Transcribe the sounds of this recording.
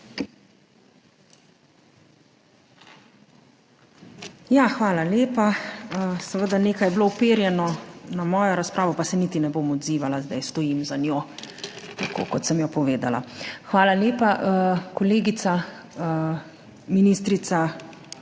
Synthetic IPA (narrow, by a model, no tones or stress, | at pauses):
jaxʋaːlaljeːpaəsɛʋəd̪aneːkajbloupeːɾjɛnɔnamɔːjɔɾaspɾʔaːʋɔpasɛnit̪inɛbomɔd̪ziːʋalazd̪a̰jst̪ɔjimzanjo | t̪akʰo̰kɔt̪sɛmjɔpɔʋeːd̪a̰la̰xʋaːlaleːpaʔəkɔleːɡit̪sa | minist̪ɾit̪sa